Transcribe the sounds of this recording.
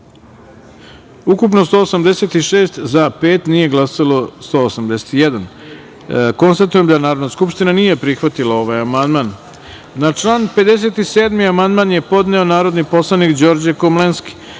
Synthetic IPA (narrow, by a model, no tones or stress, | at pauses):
ukupnost̪o̞ːsamd̪ese̞t̪iʃe̞ːst̪zape̞ːt̪nije̞ɡlˠasalˠo̞st̪o̞ːsamd̪e̞se̥t̪ijed̪an | ko̞nst̪at̪uje̞md̪anaːɾo̞d̪naskupʃt̪inanije̞pɾixʋat̪ilao̞ʋajamand̪maːnː | at͡ʂlˠaːnpe̞d̪e̞s̬e̞t̪iseːd̪miamand̪maːnje̞po̞d̪neo̞naːɾo̞d̪nipo̞slˠanikd͡ʑo̞ɾd͡ʑekomlenski̥